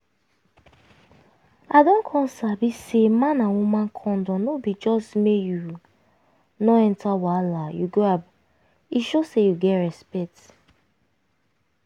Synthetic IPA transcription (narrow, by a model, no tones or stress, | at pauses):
adɔ̃kʰɔ̃nsabisemãnãwumãnkʰɔ̃ndɔ̃nobid͡ʒɔstmeju | nɔɛntʰawalajuɡoab | iʃosejuɡɛtɹɛspɛk̚t